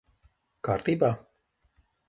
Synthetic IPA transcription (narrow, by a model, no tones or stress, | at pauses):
kaːɾt̪iːbaː